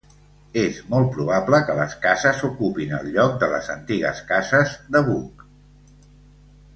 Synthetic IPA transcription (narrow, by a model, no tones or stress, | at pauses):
ezmɔlˠt̪̚pɾuβabləkələskazəsukupinə̰lʎɔk̚d̪ələ̰zə̰nt̪iɣə̰skazəzðəβuk